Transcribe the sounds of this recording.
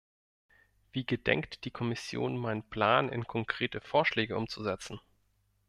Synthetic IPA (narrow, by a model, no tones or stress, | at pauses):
v̥iːɡədɛ̰ŋktd̥iːkʰɔmɪsjo̰ːnmaɪnənpl̥aːnɪ̰nkʰɔŋkʁ̥eːtəfoːɐʃlɛːɡəʔʊmt͡suzɛt͡sn̩